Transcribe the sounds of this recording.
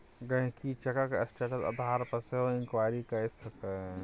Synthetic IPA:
ɡə̃ɦkit͡ʃɐkakesʈeːʈəsɐ̰d̪ʱaɾpəseɦoɪŋkwaːjɾikɐsəke

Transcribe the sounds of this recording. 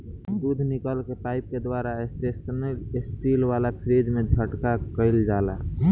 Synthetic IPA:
sud̪ʱnikəlkepaip̚ked̪ʋaɾaesʈesənəlesʈilʋalapʰɾed͡ʒmẽd͡ʒʱəʈkakəɪld͡ʒala

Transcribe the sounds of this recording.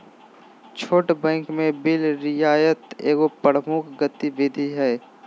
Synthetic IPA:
t͡ʃʰoːʈbɛ̃ːŋkmẽbɪlɾɪjaːjət̪eːɡopəɽmʊkʰɡət̪iʋɪd̪ʱiɦɛː

